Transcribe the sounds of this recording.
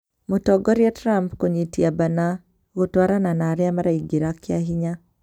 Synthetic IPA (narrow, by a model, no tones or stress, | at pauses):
motɔɡɔɾjatɾampkoɲetiabana | ɣotwaɾananaɾjamaɾaiɡiɾakjaɦiɲa